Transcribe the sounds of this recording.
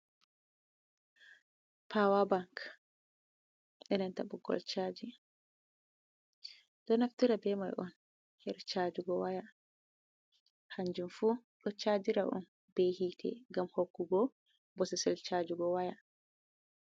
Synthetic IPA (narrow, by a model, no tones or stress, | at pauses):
pʰawabaŋk | ɗɛnɛntabɔɡɔ̰lt͡ʃad͡ʒi | d̥ɔnaftiɾabɛma̰jʔɔn | hɛɾt͡ʃad͡ʒuɡɔwaja | haɲd͡ʒumfuː | ɗɔt͡ʃaːd͡ʒiɾaʔɔ̰n | behitʰɛ̰ɡamhokːuɡɔ | bɔsɛsɛlt͡ʃad͡ʒuɡɔwaja